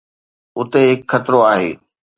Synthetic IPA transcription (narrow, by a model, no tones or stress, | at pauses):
ʊt̪eɦɪkxɐt̪ɾoaːɦḛː